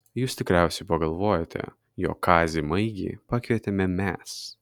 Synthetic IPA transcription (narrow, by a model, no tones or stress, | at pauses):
juːst̪ʲɪkɾʲæˑʊsʲɛɪpɐɡɐlˠʋoːjɛt̪ʲɛ̰ | jo̰ːkkʰɑːzʲimɐɪɡʲḭːpɑːkʲʋʲiɛt̪ʲɛmʲɛmʲɛs